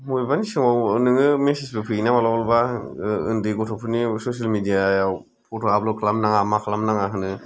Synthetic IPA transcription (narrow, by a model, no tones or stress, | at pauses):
mujbanisɯŋawnɯŋɯmesisbɯpʰɯinamalawalbaɯ̰ndɯɡɔtʰɔpʰɯnisos̬almidijajaw | pʰɔtʰɔablɔkʰalamnaŋamakʰalamnaŋaɦɯnɯ